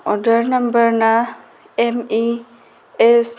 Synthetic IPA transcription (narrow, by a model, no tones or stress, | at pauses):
ɔɖəɾnɐmbəɾna | emi | es